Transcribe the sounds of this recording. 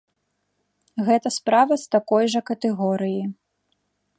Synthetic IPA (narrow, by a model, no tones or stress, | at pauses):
ɣɛt̪ɐspɾavɐst̪akɔjʐɐkɐt̪ɛɣɔɾɨji